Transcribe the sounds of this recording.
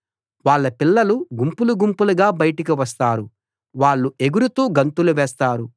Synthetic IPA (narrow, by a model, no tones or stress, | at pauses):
ʋaːɭːɐpilːɐluɡumpuluɡumpuluɡaːbɐjɐʈik̬iʋɐst̪aːɾu | ʋaːɭːue̞ɡuɾut̪uːɡɐnt̪uluʋɛːst̪aːɾu